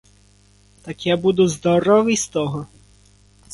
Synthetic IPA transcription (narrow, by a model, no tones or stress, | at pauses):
t̪ɐkjabud̪ʊzd̪ɔɾɔʋɪjst̪ɔɦɔ